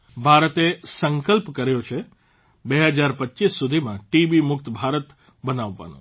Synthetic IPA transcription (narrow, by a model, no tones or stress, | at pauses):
bʱaɾət̪esə̃ŋkəlpkəɾjot͡ʃʰe | beɦəd͡ʒaɾpətːt͡ʃisːud̪ʱimãʈibimʊk̚t̪bʱaɾət̪ | bənaʋːa̰nṵ̃